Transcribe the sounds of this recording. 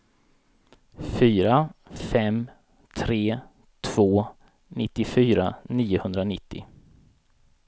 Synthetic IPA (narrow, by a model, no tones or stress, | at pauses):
fyːɾafɛm | t̪ʰɾeː | t̪ʰv̥oː | nɪt̪ːɪfyːɾaniːʊhɵnd̪ɾanɪt̪ːɪ̰